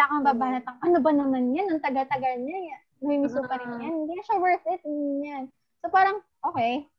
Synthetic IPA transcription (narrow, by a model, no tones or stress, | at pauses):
aːkɐŋɐbaːbaːnɐt̪ɐŋʔɐnobɐnɐmanjanːɐŋt̪ɐɡɐt̪ɐɡɐlɲɐja | mɐmimisopɐɾɪnjanhɪnd̪iːkɐʃɐwɛɹθɪt̪̚jan | sopaːɾɐŋʔoːkɛj